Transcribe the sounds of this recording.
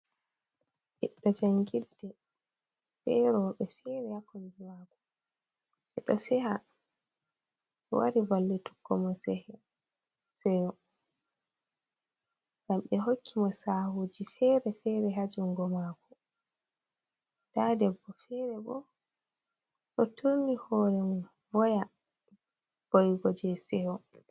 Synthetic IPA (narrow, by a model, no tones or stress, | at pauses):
ʔɛɗɔd͡ʒaŋɡidɛ | fɛɾɔɓɛfɛɾɛhakɔndimakɔ | ʔɛ̰ɗɔsɛha | ɓɛ̰wa̰ɾibalːɛtu̥ɡːɔmɔsɛhɛ | sɛwɔ | ɡamɓɛɦokʰːimɔsahuːd͡ʒifɛɾɛfɛɾɛɦad͡ʒuŋɡɔmakɔ | d̥adɛbːɔfɛɾɛbɔ̰ | ɗɔtʰunihɔɾɛn | vɔja | b̥ɔjɡɔd͡ʒɛsɛwɔ